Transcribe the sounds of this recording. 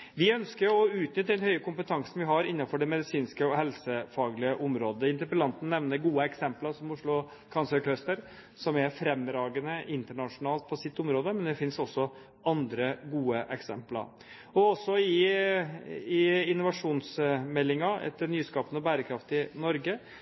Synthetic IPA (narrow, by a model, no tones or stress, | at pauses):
ʋɪœnskəɾjɔʉːt̪nʏt̪ːəɛnhœʏəkʊmpət̪ʰɑŋsn̩ʋɪɦɑɾɪnːɑfɔɖɛmɛd̪ɪsiːnskəɔɦɛlsəfɑːɡlɪəʔʊmɾoːd̪əɪnt̪əɾpəlɑnt̪n̩nːɛʋnəɾɡuːəɛksɛmplɑɾʂɔmʊʂɭʊ | kʰɑnsəɾkʰlœst̪əɾ | sɔmɛɾfɾɛmɾɑːɡənəʔɪnt̪əɳɑʂʊnɑːlt̪̚pʰɔsɪt̪ːʊmɾoːd̪əmɛnd̪ɛfɪnsɔsːɔ | ɑnd̪ɾəɡuːəʔɛksɛ̰mplɑ̰ɾ | ɔɔsːɔɪ | ɪɪnːʊʋɑʂuːnsmɛlːɪŋɑɛ̰t̪ːəɾnyːskɑːpənɔbæːɾəkʰɾɑft̪ɪnɔɾɡə